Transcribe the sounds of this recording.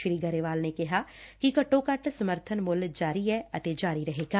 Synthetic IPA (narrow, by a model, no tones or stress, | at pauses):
ʃɾiːɡɐɾeʋaːlnekɐɦaːkikɐʈõkɐʈʰsɐməɾt̪ʰənmʊld͡ʒaːɾiɦɛɐt̪ed͡ʒaːɾiɾɐɦeːɡaː